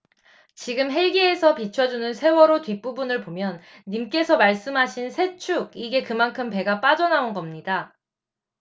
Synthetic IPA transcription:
t͡ɕiɡɯmɦe̞ɭɡiesʰʌpit͡ɕʰʌd͡ʑunɯnsʰe̞wʌɾotɥip͈ubunɯɭpomjʌnːimk͈e̞sʰʌmaɭs͈ɯmɦaɕʰinsʰe̞t͡ɕʰuɡ̚iɡe̞kɯmankʰɯmpe̞ɡap͈ad͡ʑʌnaonɡʌmɲida

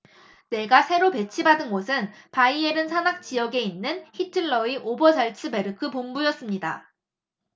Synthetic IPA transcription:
ne̞ɡasʰe̞ɾope̞t͡ɕʰibadɯnɡosʰɯnpaieɾɯnsʰanak̚t͡ɕ͈ijʌɡe̞inːɯnçitʰɯɭːʌiʔobʌd͡ʑaɭt͡ɕʰɯbe̞ɾɯkʰɯpombujʌs͈ɯmɲida̰

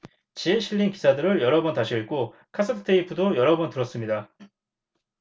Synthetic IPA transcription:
t͡ɕieɕʰiʎːinki̥sʰadɯɾɯɭjʌɾʌbʌntaɕʰiiɭk͈o | kʰas͈ʰɯtʰɯ̥tʰeipʰudojʌɾʌbʌntɯɾʌs͈ɯmɲida

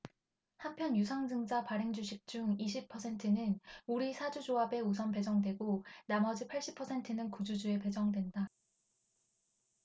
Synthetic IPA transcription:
hampʰjʌnjusʰaŋd͡ʑɯŋd͡ʑapaɾeŋd͡ʑuɕʰik̚t͡ɕ͈uŋiɕʰipʰːʌsʰe̞ntʰɯnɯnuɾisʰad͡ʑud͡ʑoɦabe̞us̬ʰʌnpe̞d͡ʑʌŋdwe̞ɡonamʌd͡ʑipʰaɭɕ͈ipʰʌsʰe̞ntʰɯnɯnkud͡ʑud͡ʑue̞pe̞d͡ʑʌŋdwe̞nda

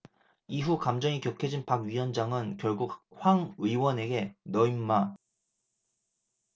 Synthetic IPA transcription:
iɦukamd͡ʑʌŋikjʌkʰed͡ʑinpaɡɥiwʌnd͡ʑaŋɯnkjʌɭɡuk̚hwaŋɯiwʌne̞ɡe̞nʌimːa

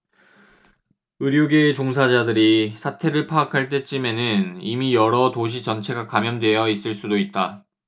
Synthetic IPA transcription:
ɯɾjoɡe̞t͡ɕoŋsʰad͡ʑadɯɾisʰatʰe̞ɾɯɭpʰaːkʰaɭt͈e̞t͡ɕ͈ʰime̞nɯnimijʌɾʌtoɕ̬ʰit͡ɕʌnt͡ɕʰe̞ɡakamjʌndwe̞jʌis͈ɯɭs͈udoit̚t͈a

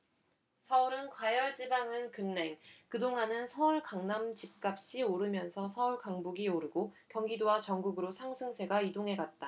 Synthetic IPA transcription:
sʰʌuɾɯnkwajʌɭd͡ʑibaŋɯnkɯnːe̞ŋkɯdoŋanɯnsʰʌuɭkaŋnamt͡ɕip̚k͈ap̚ɕ͈ioɾɯmjʌnsʰʌsʰʌuɭkaŋbuɡioɾɯɡokjʌŋɡidowat͡ɕʌŋɡuɡɯɾosʰaŋsʰɯŋsʰe̞ɡaidoŋɦe̞ɡat̚t͈a

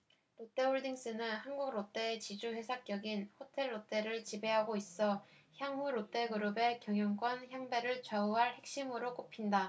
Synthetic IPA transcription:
ɾot͈e̞oɭdiŋs͈ɯnɯnhanɡuɡɾot͈e̞ːt͡ɕid͡ʑuhe̞sʰak͈jʌɡinhotʰe̞ɭːot͈e̞ɾɯɭt͡ɕibe̞ɦaɡois͈ʌçjaŋɦuɾot͈e̞ɡɯɾɯbe̞kjʌŋjʌŋk͈wʌnçjaŋbe̞ɾɯɭt͡ɕauɦaɭhe̞k̚ɕ͈imɯɾok͈opʰinda

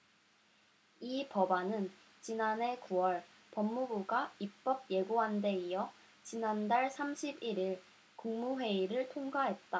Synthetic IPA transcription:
ipʌbanɯn | t͡ɕinane̞kuwʌɭ | pʌmːubuɡaip͈ʌb̚je̞ɡoɦande̞ijʌ | t͡ɕinandaɭsʰamɕʰibiɾiɭ | kuŋmuɸwe̞iɾɯɭtʰoŋɡaɦe̞t̚t͈a

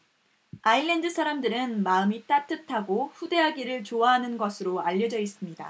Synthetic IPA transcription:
aiɭːe̞ndɯsʰaɾamdɯɾɯnmaɯmit͈at͈ɯtʰaɡoɸude̞ɦaɡiɾɯɭt͡ɕoaɦanɯnɡʌsʰɯɾoaʎːʌd͡ʑʌis͈ɯmɲida̰

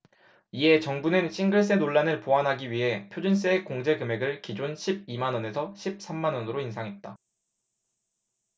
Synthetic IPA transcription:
ie̞t͡ɕʌŋbunɯnɕʰiŋɡɯɭs̬͈e̞noɭːanɯɭpoɦanɦaɡiɥiɦe̞pʰjod͡ʑuns̬͈eːkoŋd͡ʑe̞kɯme̞ɡɯɭkid͡ʑonɕʰib̚imanʌne̞sʰʌɕʰip̚s͈ʰamːanʌnɯɾoinsʰaŋɦe̞t̚t͈a

